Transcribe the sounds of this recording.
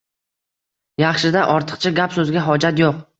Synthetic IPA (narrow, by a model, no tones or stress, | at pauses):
jɑχʃɪd̪aʔɒɾt̪ʰɨ̥qt͡ʃʰaɡʲapsɵzɡʲaɦɒd͡ʒat̪joq̚